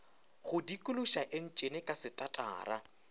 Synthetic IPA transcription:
χʊdikʼʊluʃaʔɪn̩t͡ʃʼenɪkʼasɪtʼatʼa̰ːra̰

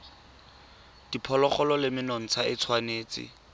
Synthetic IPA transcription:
d̥ipʰɔlɔχɔlɔlɪmɪnɔŋ̩t͡sʰaɪt͡sʰwaneːt͡sɪ̰

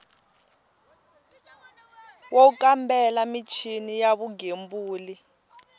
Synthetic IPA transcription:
wok̬ʼambɛlamit͡ʃʰinijaβuɡʱembuːli

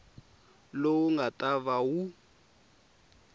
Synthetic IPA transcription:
lowuŋɡatʼaβawu

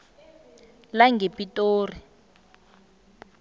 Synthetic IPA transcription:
laŋɡʱepitʼoːri

